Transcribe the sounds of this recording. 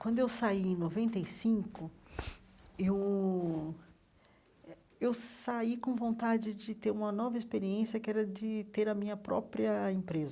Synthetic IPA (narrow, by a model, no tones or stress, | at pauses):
kwɐ̃nd̪ʊewsaiẽnovẽnt̪ejsĩkʊ | ew | ewsaikõvõnt̪ad͡ʒɪd͡ʒɪt̪eɾũmɐnɔvɐispeɾiẽsiɐkɪɛɾɐd͡ʒɪt̪eɾɐmĩɲɐpɾɔ̰pɾiɐẽpɾezɐ